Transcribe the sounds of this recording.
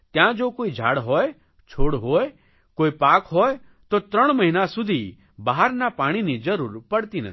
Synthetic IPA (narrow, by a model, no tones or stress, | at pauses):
t̪jãd͡ʒoːkoːid͡ʒʱa̰ːɽɦɔe | t͡ʃʰoːɽɦoːe | koːipaːkɦɔe | t̪ot̪ɾəɽ̃məɦinasʊd̪ʱi | baɦaɾnapaːɽ̃inid͡ʒɐɾuːɾpɐɽt̪inɐ̰t̪ʰi